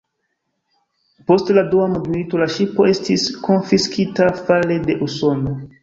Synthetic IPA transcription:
po̞stladuamudmilito̞laʃipo̞e̞stisko̞nfiskʰitafale̞de̞ʔuso̞no̞

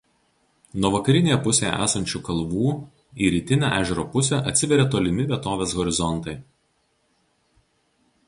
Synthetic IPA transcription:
nuɔʋɐkɐɾʲɪnʲeːjɛpʊsʲeːjɛ̰ʔæ̰ːsɐnʲt͡ʃʲuːkɐlˠʋuː | iːɾʲiːt̪ʲɪnʲæ̰ʔæːʒʲɛɾoːpʊsʲɛʔɐt̪ʲsʲɪʋʲɛɾʲɛˑt̪oːlʲɪmʲɪʋʲiɛt̪oːʋʲeːsɣɔɾʲɪzɔnˑt̪ɐɪ

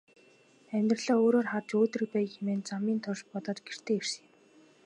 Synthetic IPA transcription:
æmʲt̪rɮ̥ɔːoːɾoːrχart͡ɕoːt̪rĭk̚pæːjximeːnt͡samiːnt̪ʰʊʃpɔt̪ɔːt͡ɕɡer̥t̪ʰeːer̥s̆ŋ

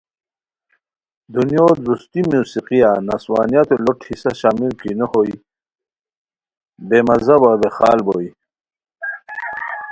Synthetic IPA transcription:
d̪unjoːd̪ust̪imuːsiqijanaswaːnijat̪oloʈʰhisaɕaːmilkinəhoj | bemɐzɐbɐd̪exa̰ːlboi

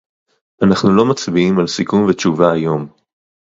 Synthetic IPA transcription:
ʔanaχnulo̞mat͡sbiimalsikumvet͡ʃuvaːjo̞m

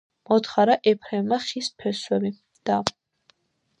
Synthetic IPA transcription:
mɔt̪χaɾaʔɛpʰɾɛvmaχispʰɛswɛbi | d̪̥a

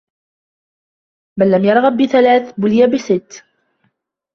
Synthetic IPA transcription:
balːamjɑɾˤʁɣɑbːɪθalaːθbʊlɪjabɪsɪt̪ː

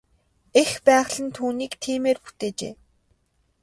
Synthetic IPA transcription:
expæːʁɮə̆nt̪ʰuːniːkt̪ʰiːmeːrxut̪eːt͡ɕḛː

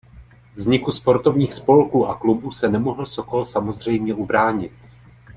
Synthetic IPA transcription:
vzɲɪkuspo̞ɾt̪o̞vɲiːxspo̞lkuːʔaklubuːsɛnɛmoɦl̩so̞ko̞lsamo̞zr̝ɛjmɲɛʔubɾaːɲɪt̪̚

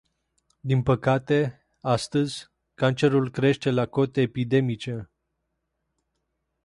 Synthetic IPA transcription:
d̪inpəkat̪e̞ | ast̪əzʲ | kant͡ʃe̞ɾulkɾe̞ʃt̪e̞lako̞t̪eːpid̪e̞mit͡ʃe̞

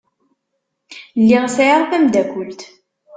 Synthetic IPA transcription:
lːiʁsjəɾˤfæmd̪ækʷʊlt̪

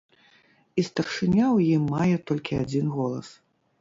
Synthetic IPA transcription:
ist̪ɐrʂɨnʲawjimːajɛt̪ɔlʲkʲiad͡zʲinɣɔlˠɐs

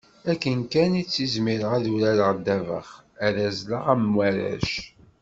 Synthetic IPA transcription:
ækːənkænit͡sːizmiɾəʁæðuɾæləʁd̪ːævə̰χæðæzləʁæmwæɾæ̰ʃ

